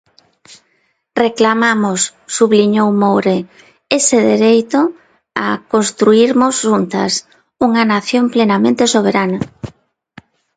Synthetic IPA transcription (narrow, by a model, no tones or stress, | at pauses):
reklamamosːuβliɲowmowɾe | esɪðeɾejt̪o | a̰konst̪ɾuiɾmʊzʃunt̪ɐ̰s | uŋɐnaθjomplenamẽnt̪esoβ̞eɾanɐ